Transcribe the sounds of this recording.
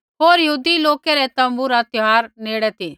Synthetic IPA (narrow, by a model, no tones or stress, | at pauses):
ɦoːɾjəɦuːd̪iloːkɛɾɛt̪ɐ̃mbuɾat̪ɪɦaːɾneːɽɛt̪ʰi